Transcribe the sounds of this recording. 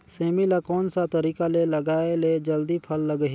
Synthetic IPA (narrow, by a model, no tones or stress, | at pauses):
seːmilakɔːnsat̪əɾiːkaleləɡaːeled͡ʒəld̪ipʰəlːəɡɦi